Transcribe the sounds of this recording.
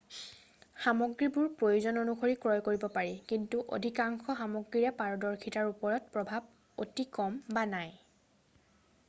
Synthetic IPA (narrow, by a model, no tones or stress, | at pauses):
xamɔɡɹibʊɹpɹojuzɔnonuxoɹikɹɔjkoɹibɔpaɹikintuʔo̰dʱikaŋxʰɔxamɔɡɹiɹɛpaɹɔdɔɹkʰitaɹupɔɹɔt̚pɹɔbʱab̚ | o̰tikɔmbanaj